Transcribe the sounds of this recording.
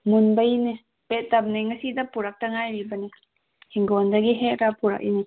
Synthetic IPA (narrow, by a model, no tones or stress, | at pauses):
munbajine | pet̚ːab̚naŋasidapuɾak̚taŋajɾibɐne | hiŋɡondaɡiɦetɾapuɾa̰k̚ḭni